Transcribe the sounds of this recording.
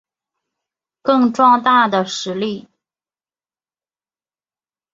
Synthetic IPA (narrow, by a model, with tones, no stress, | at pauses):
kɤ˥˧ŋʈ͡ʂwɑ˥˧ŋt̪a˥˩d̪ə˩ʂɻ̩˧˥li˥˩